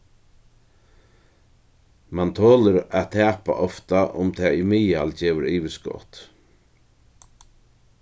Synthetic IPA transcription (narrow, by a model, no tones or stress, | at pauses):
mant̪ʰoːləɾaðt̪ʰæːpa̰ʔɔft̪aʔʊmt̪ʰaːimɪːalt͡ʃeːʋəɾiːʋɪskɔ̰ːt̪